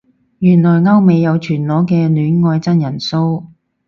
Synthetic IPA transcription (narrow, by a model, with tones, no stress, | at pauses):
jyː˨˩nlɔː˨˩jŋɐ˥wme˨˧jːɐ˨˧wt͡ʃʰyː˨˩nlɔː˨˥kɛː˧nyː˨˥nŋɔː˧jt͡sɐ˥njɐ˨˩nso˥w